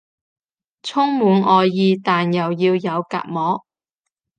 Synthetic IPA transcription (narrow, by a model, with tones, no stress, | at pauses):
t͡sʰʊ˥ŋmuː˨˧nʔɔː˨jːiː˧t̪aː˨njɐ˨˩wjiː˧wjɐ˨˧wka̰ː˧t̚mɔː˨˥k̚